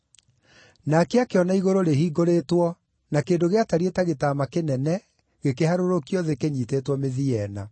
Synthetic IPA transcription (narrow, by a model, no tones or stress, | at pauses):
nakeakeɔnaiɣoɾoɾehiːɡoɾeːtwɔ | nakeːdoɣeataɾietaɣetamakenɛnɛ | ɣekeɦaɾoɾokiɔðekeɲiteːtwɔmeðiɛna̰